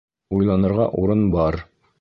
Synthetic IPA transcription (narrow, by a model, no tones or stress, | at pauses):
ujlˠɑnɤ̆ɾʁɑ̰ʔuɾɤnbɑɾ